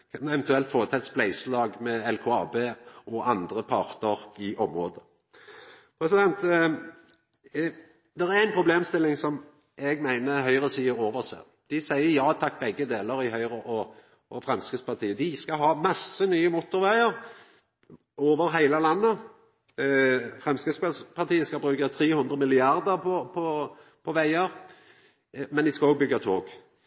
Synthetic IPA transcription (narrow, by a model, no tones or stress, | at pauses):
kʰɑnɛʋɛnt̪ʉɛlt̪foːʁət̪ʰɛːt̪splæɪslɑːɡmɛɛlkʰoɑːbeːɔʔɑnd̪ɾəpʰɑʁt̪əɾɪʔɔmɾoːd̪ə | pʰɾɛsɪd̪ɛnt̪ | d̪ɛɾæɾæɪnpʰɾʊbleːmst̪ɪlːɪŋsɔm | ʔɛɡmæɪnəɦœʏʁəsiːəɾoːʋəʁsæ̰ | d̪̥ɪsæɪəjɑːt̪ʰɑk̚ːbɛɡːəd̪eːləɾɪhœʏʁəʔɔ | ʔɔfʁɑnskəspɑt̪ʰiːəd̪ɪskɑɦɑːmɑsənyːəmʊt̪ʊɾʋæɪəɾ | oːʋəɾɦæɪləlɑnːə | fʁɛmskəspspʰɑt̪iːəskɑbɾʉːkət̪ʰɾeːhʉnd̪ʁəmɪlɪɑɾd̪əɾpʰɔpʰɔ | pʰɔʋæɪəɾ | mɛnd̪ɪskɑoːɡ̚bʏɡɑt̪ʰo̰ːɡ